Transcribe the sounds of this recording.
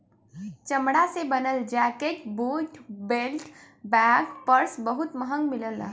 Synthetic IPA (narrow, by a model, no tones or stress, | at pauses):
t͡ʃəmɽasebənəld͡ʒakekbuʈʰbelʈ | baɡpəɾsbəɦut̪məɦəŋɡmiləla̰